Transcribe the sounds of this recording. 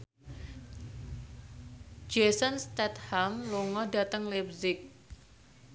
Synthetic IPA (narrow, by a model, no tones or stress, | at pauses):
d͡ʒɛsənst̪ɛt̪hamloŋɔda̤t̪əŋlɛp̚sɪk̚